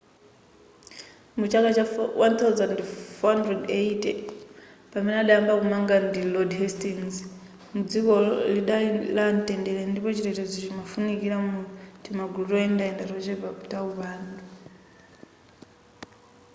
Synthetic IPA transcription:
mut͡ʃakat͡ʃawʔant̪ʰawzandfɔɦandrɛdeitɛ | pamɛnɛaɗajambakumaŋɡandilɔdɦɛstinz | mud͡zikɔliɗalantɛndɛlɛndipɔt͡ʃiɾɛtɔd͡zɔt͡ʃimafunikiɾamutʰimaɡutɔɛndaɛndaɾɔt͡ʃɛbautauβaːndu

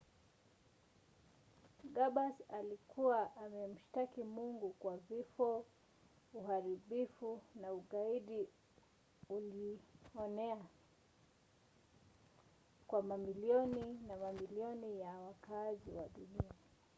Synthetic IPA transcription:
ɡaɓasalikuwaʔamɛm̩ʃtakimuŋɡukwavifɔ | uɦaɾiɓifunauɠaiɗi | uliɔnɛa | kwamamiliɔninamamiliɔnijawakaziwaɗunia

